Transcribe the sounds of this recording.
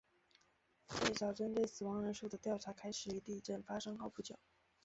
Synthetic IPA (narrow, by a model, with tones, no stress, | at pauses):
twe˥˩ɪʈ͡ʂɑ˨˩ʊʈ͡ʂə˥nt̪we˥˩ɪsɹ̩˨˩wɑ˧˥ŋɻə˧˥nʂu˥˩d̪ə˩t̪jɑ˥˩ʊʈ͡ʂʰa˧˥kʰa˥ɪʂɻ̩˨˩y˧˥t̪i˥˧ʈ͡ʂə˥˩nfa˥ʂɤ˥ŋxʊpu˥˩t͡ɕjo˨˩˦ʊ